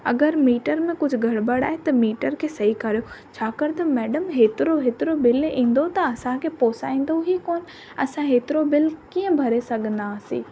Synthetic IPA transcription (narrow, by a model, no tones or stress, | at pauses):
ɐ̰ɡəɾmiːʈəɾmẽkʊd͡ʑʱʊɡʱɐɽbɐɽa̰ːɦet̪ɐmiːʈəɾkʰeːsɐɦikɐɾijot͡ɕʰaːkɐɾt̪ɐmɛːɖəmɦeːt̪ɪɾoɦeːt̪ɪɾobɪlĩːn̆d̪ot̪ɐɐsãkʰeːpoːsaːĩːn̆d̪ũɦikoːn | ɐsãɦeːt̪ɪɾobɪlkiːə̃bʱɐɾesɐɡʱə̃n̆d̪aːsḭː